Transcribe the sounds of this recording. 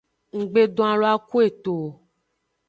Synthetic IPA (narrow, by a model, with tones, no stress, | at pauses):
ŋ̩˨ɡ͡be˨ɖɔ̃˦a˨lo˨˦a˦ku˦e˦˨t̪o˨